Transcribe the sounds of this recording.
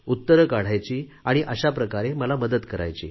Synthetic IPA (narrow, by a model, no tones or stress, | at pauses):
ut̪ːəɾəkaɽ̤ajt͡ɕiːaɽ̃iʔəɕapɾəkaɾeməlaməd̪ət̪kəɾa̰jt͡ɕḭː